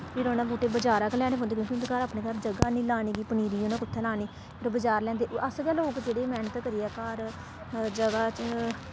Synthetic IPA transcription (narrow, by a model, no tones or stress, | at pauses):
piɾoːnãːbuːʈeːbəd͡ʒaːɾaːklɛːɽ̃eːɦʊ̃nd̪eːkjõːkind̪kaːɾaːpneːkaɾd͡ʒəɡaːnĩːlaːniːɡiːpəniːɾiːoːnãːkʊt̪ʰːɛːlaːniː | ɾbəd͡ʒaːɾlɛ̃ːnd̪eːʔəsɡɛːloːkd͡ʒeːɽeːmɛːnət̪kəɾiːɛːkaːɾ | d͡ʒəɡaːt͡ʃ